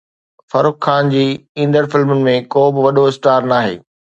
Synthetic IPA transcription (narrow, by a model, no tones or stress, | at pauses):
fɐɾʊkxaːnd͡ʑiːĩːnd̪əɾfɪlmənɪ̆mẽkoːbɪʋɐɗoɪsʈaːɾnaːɦḛː